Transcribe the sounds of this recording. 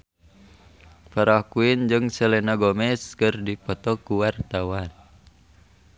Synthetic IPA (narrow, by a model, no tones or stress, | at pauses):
paɾakuind͡ʒɨŋsɛlɛnaɡɔmɛskɨrdipɔt̪ɔkuwart̪awan